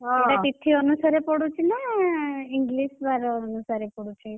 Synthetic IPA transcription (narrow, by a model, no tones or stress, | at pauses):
aelapit̪ʰːiənusaɾepəɽũt͡ʃʰena | ɪŋɡliʃʋaɾoːnusaɾepəɽũt͡ʃʰe